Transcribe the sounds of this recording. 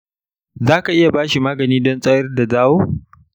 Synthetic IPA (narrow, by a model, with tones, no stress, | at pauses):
zaː˦ka˨ʔɪ˦ja˨baː˦ʃi˨maː˦ɡɐ˨niː˦dɔ˦nsʼɐ˦jɐ˦rda˨zaː˦woː˦